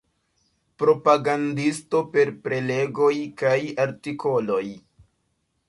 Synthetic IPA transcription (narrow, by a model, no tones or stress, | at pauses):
pɾo̞paɡandisto̞pe̞ɾpɾe̞le̞ɡo̞jkajaɾtiko̞lo̞j